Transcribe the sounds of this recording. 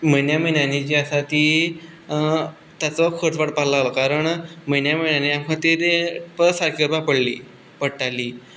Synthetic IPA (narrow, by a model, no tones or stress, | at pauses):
mənjaməjnjanit͡ɕiasat̪iː | t̪at͡sakʰoɾt͡sʋaɽpaɾlalokaɾəɳmənjaməjnjaniãŋkʰə̃t̪iɾepəsaɾkʰəɾpapəɽlḭː | pəɽʈaliː